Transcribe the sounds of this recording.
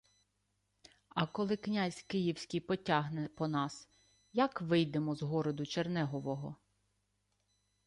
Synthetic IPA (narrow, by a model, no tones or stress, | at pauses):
ɐkɔlˠɪknʲazʲkɪjiwsʲkʲijpɔtʲaɦnɛpɔnɑs | jɐkʋɪjd̪emɔzɦɔɾɔd̪ʊt͡ʃernɛɦɔʋɔɦɔ